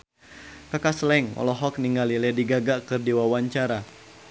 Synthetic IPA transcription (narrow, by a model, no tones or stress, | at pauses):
kakaslɛŋɔ̰lɔɦɔk̚niŋɡalilɛdiɡaɡakɨrdiwawaɲt͡ʃaɾa